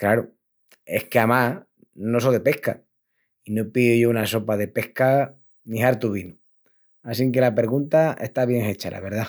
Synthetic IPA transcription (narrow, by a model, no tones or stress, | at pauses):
klaɾo | e̞hkeama | nosoðe̞pe̞hka | inopiðoʝounaso̞paðe̞pe̞hka | niɦaɾt̪uβinu | as̬iŋke̞lapeɾɣunt̪ae̞̰ht̪aβ̞je̞ŋe̞t͡ʃala̰βe̞ɾða